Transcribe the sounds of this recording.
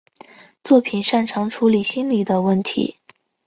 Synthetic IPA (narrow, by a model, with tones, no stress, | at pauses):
t͡swɔ˥˩pʰi˨˩nʂa˥˩nʈ͡ʂʰɑ˧˥ŋʈ͡ʂʰu˧˥li˨˩ɕi˥nli˨˩d̪ə˦wə˥˩nt̪ʰḭ˧˥